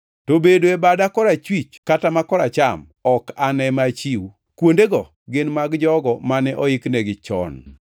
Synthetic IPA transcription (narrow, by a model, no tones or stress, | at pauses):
tobedoebadakɔɾat͡ʃwit͡ʃkatamakɔɾat͡ʃam | ɔkanɛmat͡ʃiw | kwondeɡɔ | ɡɪnmaɡd͡ʒɔɡɔmanɛʔɔɪknɛɡɪt͡ʃɔ̰n